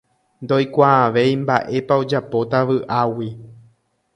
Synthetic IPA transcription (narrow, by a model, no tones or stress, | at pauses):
nd̪o̞jkʷaːʋe̞jmba̰ʔe̞pao̞d͡ʒapo̞t̪aʋɨʔawi